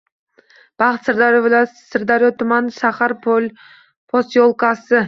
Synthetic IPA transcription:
b̥ɑχɨt̪sɨɾd̪ɑsɨɾd̪ɑɾjot̪ʰʊmɑnʃaχɑɾ | pʰost̪jolˠkɑsɪ

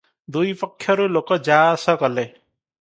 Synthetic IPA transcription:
d̪ujpɔkʰːjɔɾulokɔd͡ʒaːsɔkɔle

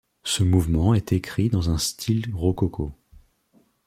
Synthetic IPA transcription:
səmuvmɑ̃ɛt̪ekχid̪ɑ̃zɛ̃st̪ʰilʁɔkɔkʰo

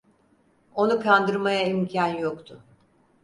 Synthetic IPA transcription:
o̞nukʰand̪ɯɾmajaimcʰanjokt̪ʰʊ

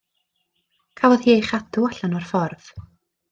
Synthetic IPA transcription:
kʰavɔðhiːejχadʊaɬanɔrfɔrð̥

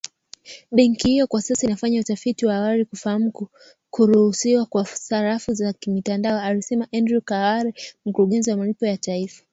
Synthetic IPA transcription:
ɓɛŋkihijɔkwasasainafaɲautafitiwaawalikufaham̩k | kuɾuhusiwakwasaɾafuzakimitandaɔalisɛmaʔɛndɾukawaɾɛm̩kuɾuɠɛnziwamalipɔjataifḁ

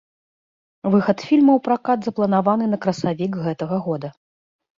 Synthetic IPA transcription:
vɨxɐt̪fʲilʲmɐwpɾakad̪zɐplˠɐnavanɨnɐkɾɐsavʲikɣɛt̪ɐɣɐɣɔd̪ɐ

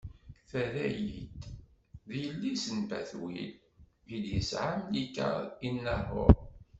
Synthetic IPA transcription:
θæðæjit̪ | ðijəlːisənbæ̰θwḭl | id̪jəsʕamlikːə̰inːərˤo̰ɾ

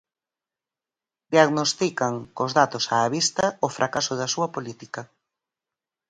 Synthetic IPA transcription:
d̪jaɣnost̪ikɐŋkozðat̪osaːβist̪ɐofɾʔakasʊðɐsuɐpolit̪ikɐ

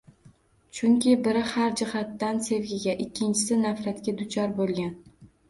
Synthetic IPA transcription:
t͡ʃʰʊŋkʲʰɪbɪɾɪhaɾd͡ʒɪhat̪ːanse̞vɡʲɪɡʲaʔɪkʲːɪnt͡ʃʰɪ̥sɪnafɾat̪kʲad̪ʊt͡ʃʰɒɾbolˠɡʲan

